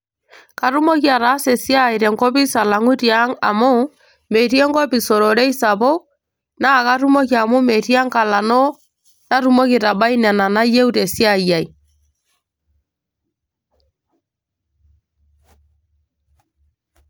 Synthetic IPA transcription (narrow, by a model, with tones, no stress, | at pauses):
ka˨ɾu˦mo˦ki˦a˨ɾaː˨˦se˨sja˦˨i˨ɾɛ˨ŋkɔ˦pi˦sa˨la˨ŋu˦tia˦ŋa̰˨mo˦ | me˨tjɛ˦ŋkɔ˦pi˨so˨ɾɔ˨ɾɛ˦i˦sa˨po˦ | na˦˨ka˦ɾu˦mo˦k̬ja˨mo˦me˨ti˦a˦ŋka˨la˨no˦ | na˦ɾu˦mo˦ki˨ta˨ba˦i˦nɛ˨na˨na˦je˦u˦te˨si˦a˦˨ja˨i˨